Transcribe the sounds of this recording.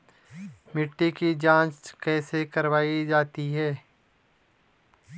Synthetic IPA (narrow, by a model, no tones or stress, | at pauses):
mɪʈːikid͡ʒãːt͡ʃkɛːsekɐɾʋaːid͡ʒaːt̪iɦɛː